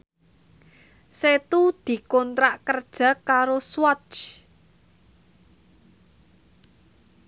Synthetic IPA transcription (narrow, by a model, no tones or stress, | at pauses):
set̪ud̪̥i̤kɔnt̪ɾaʔkərd̥ʒ̥ä̤kaɾoswɔ̥t͡ʃ